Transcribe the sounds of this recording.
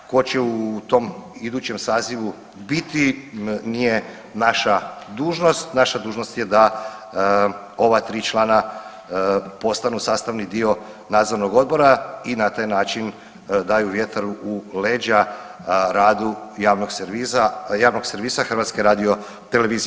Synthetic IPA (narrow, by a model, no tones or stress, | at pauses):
kot͡ɕeut̪o̞mid̪uːt͡ɕe̞msaːziʋu | bit̪inije̞ | naʃad̪uːʒno̞st̪naʃad̪uːʒno̞st̪je̞d̪a | o̞ʋat̪ɾiːt͡ʃlˠaːna | po̞st̪anusaːst̪aʋnid̪io̞ | naːd̪zo̞ɾno̞ɡo̞d̪̚bo̞ɾainat̪aːjnaːt͡ʃin | d̪aːjuʋje̞t̪aɾuʔuleːd͡ʒa | ɾaːd̪ujaːʋnoɡseɾizajaːʋnoɡseɾʋiːsaxr̩ʋat̪skeɾaːd̪io̞ | t̪ele̞ʋiːzi